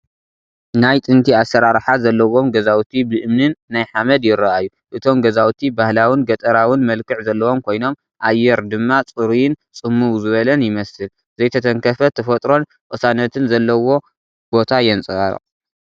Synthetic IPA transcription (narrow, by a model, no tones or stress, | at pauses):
najt̪ʼɨnt̪ʰiasɐɾaɾħazɐlːɐwo̞mɡɐzawt̪ʰibɨʔɨmnɨnːajħamɐd̪jɪɾːɐʔajːu | ʔɨt̪ʰo̞mɡɐzawt̪ʰibahlawɨnɡɐt̪ʼɐɾawɨnmɐlkʰɨʕzɐlːɐwo̞mkʰo̞jno̞m | ʔajːɛɾd̪ɨmːat͡sʼɨɾujɪnt͡sʼɨmːuwzɨβɐlɐnjɪmɐsɨl | zɐjt̪ʰɐt̪ʰɐŋkʰɐfɐt̪ʰːɐfɐt̪ʼɾo̞n | kʼɨsanɐt̪ʰɨnzɐlːɐwo̞ | b̥o̞t̪ʰajɛnt͡sʼɨɣʼɐɾ̰